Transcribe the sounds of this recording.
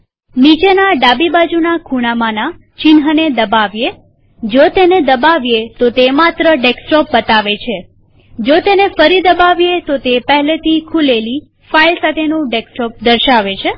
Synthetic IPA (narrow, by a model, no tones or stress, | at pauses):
nit͡ʃenaɖabibad͡ʒunakʰuɽ̃amana | t͡ʃɪnɦəned̪əbaʋje | d͡ʒot̪ened̪əbaʋjet̪ot̪emat̪ɾəɖeksʈɔp̚bət̪aʋet͡ʃʰe | d͡ʒot̪enefəɾid̪əbaʋjet̪ot̪epəɦlet̪ʰikʰuleli | failsat̪ʰenũɖeksʈɔp̚d̪əɾʃaʋet͡ʃʰe